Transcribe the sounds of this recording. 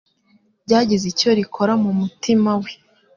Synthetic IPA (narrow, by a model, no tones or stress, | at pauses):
bɟaːɟizico̞ɾikʰo̞ɾamumutimawe